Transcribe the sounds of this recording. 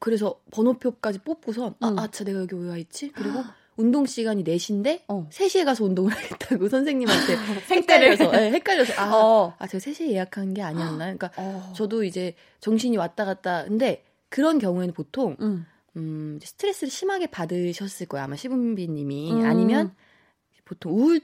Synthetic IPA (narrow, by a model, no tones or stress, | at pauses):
kɯɾe̞s̬ʰʌpʌnopʰjok͈ad͡ʑip͈op͈̚usʰʌnaat͡ɕ͈ʰane̞ɡajʌɡiojwait̚t͡ɕ͈ikɯɾiɡo | undoŋɕ͈iɡaɲine̞ɕʰinde̞sʰe̞ɕʰie̞ɡasʰʌundoŋɯɭɦaɡet͈̚aɡosʰʌnsʰeŋɲimantʰe̞ek͈aʎːʌsʰʌje̞he̞k͈̚aʎːʌsʰʌat͡ɕe̞ɡasʰe̞ɕʰiejejakʰannɡe̞aɲianːajoik͈at͡ɕʌdoid͡ʑe̞ | t͡ɕʌŋɕʰiɲiwat̚t͈aɣat̚t͈akɯnde̞ | kɯɾʌnkjʌŋue̞nɯnpotʰoŋ | ɯid͡ʑesʰɯ̥tʰɯɾe̞s͈ɯɾɯɭɕʰimaɡe̞padɯɕʰʌs͈ɯɭk͈ʌjamaɕʰibumbiɲimiaɲimjʌn | epotʰoŋu